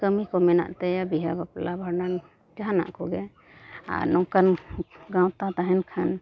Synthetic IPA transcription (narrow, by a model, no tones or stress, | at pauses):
kəmikɔmɛna̰ʔt̪ajabiɦabaplabʱaɾnan | d͡ʒaɦana̰ʔkɔɡɛ | a̰ɾnɔŋkanɡãwt̪at̪aɦɛnkʰan